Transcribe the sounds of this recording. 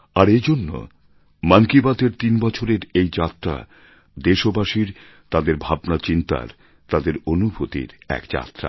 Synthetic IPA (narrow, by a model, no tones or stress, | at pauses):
aɾed͡ʑonːo̰ | mankibat̪eɾt̪inbɔt͡ɕʰoɾeɾejd͡ʑat̪ːɾa̰ | d̪eʃobaʃiɾ | t̪ad̪eɾbʱabnat͡ɕint̪a̰ɾ | t̪ad̪eɾonubʱot̪ḭɾɛ̰kd͡ʑa̰t̪ːɾa̰